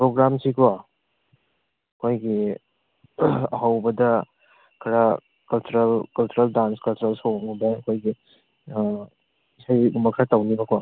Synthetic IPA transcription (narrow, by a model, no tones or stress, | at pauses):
pɾoɡɾamsikʰwa | ɐkʰojɡi | ɐhawbɐdɐ | kʰɐɾɐ | kɐlt͡ʃuɾɐlkɐlt͡ʃuɾɐldanskɐlt͡ʃuɾɐlsoŋubɐɐkʰojɡi | isajɡumɐkʰaɾɐtawnibɐkʰwa